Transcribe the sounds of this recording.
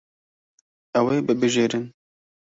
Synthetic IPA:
ɛweːbɨbɨʒeːɾɨn

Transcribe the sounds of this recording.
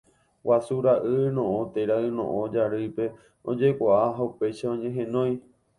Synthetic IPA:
wasuɾaʔɨnõʔõt̪eɾaɨnõ̰ʔõd͡ʒaɾɨpe̞ | õd͡ʒekʷaʔaɦaupe̞ʃaõɲẽ̞ɦẽ̞nõ̞j̃

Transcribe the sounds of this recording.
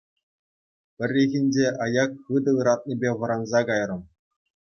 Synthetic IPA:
pʲɘ̆rʲːeɣʲinʲd͡ʑeʔɑjɑkχɯd̪ɤ̆ɯɾɑt̪̚nʲibʲeʋɤ̆ɾɑnzɑkɑjrɤ̆m

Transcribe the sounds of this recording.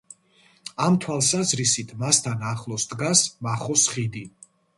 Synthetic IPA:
amt̪ʰwalˠsazɾisit̪ʰmast̪ʰanaχlˠɔsd̪ɡasmaχɔsχid̪i

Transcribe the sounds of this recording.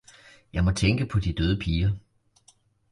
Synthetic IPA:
jɑ̈ɪmɒ̽t͡sʰeŋɡ̥əpʰɒ̽d̥id̥øːð̞ˠəpʰiːɐ

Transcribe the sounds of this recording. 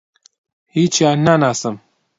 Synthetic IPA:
hiːt͡ʃʰjaːnanaːsɨm

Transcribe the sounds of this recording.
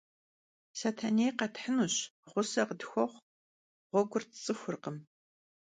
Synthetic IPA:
satʰanejqɐtħənuɕʁʷʊsɐqədxʷɔχʷ | ʁʷɔɡʷʊrtt͡sʼɨxʷʊrqəm

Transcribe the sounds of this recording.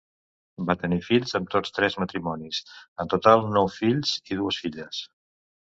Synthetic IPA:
bat̪ənifiʎzəmt̪ot͡st̪ɾɛzmət̪ɾimɔnisənt̪ut̪alˠnɔwfiʎz̥iðuəsfiʎəs

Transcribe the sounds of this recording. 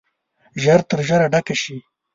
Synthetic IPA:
ʒaɾt̪əɾʒaɾaɖakaʃi

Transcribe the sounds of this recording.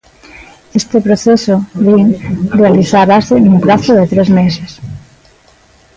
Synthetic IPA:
est̪epɾoθesoβiŋrealiθaβasenumpɾaθoðet̪ɾezmeses

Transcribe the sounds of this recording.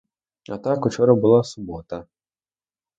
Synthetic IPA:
a̰t̪akut͡ʃɔɾɐbɨlˠasubɔt̪ɐ

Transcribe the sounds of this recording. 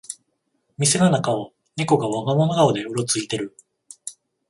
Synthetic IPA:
mʲisenanakao | neko̞ɡaβaɡamonoɡaod̪e̞joɾo̞t͡sɨit̪e̞ɾɯ̟

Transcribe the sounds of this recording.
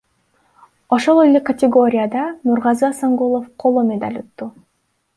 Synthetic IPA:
o̞ʃo̞lˠelʲekɐtʲɪɡo̞ɾʲɪjad̪ɑnuɾʁɑzɯasaŋɡulˠofqʰo̞lˠomʲed̪a̰lʲut̪ːu

